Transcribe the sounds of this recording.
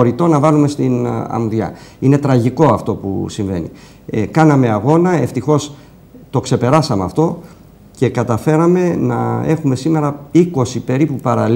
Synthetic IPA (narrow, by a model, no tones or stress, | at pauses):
oɾit̪o̞nɐvɐlume̞st̪inɐ̰mðɐ̰ine̞t̪ɾɐʝiko̞ɐft̪o̞pṵsiɱve̞̰nḭ | kɐnɐme̞ɐɣo̞nɐe̞ft̪ixo̞s | t̪o̞kse̞pe̞ɾɐsɐmeɐ̰ft̪o̞ | ce̞kɐt̪ɐfe̞ɾɐme̞nɐe̞xume̞sime̞ɾɐiko̞sipe̞ɾipupɐɾɐl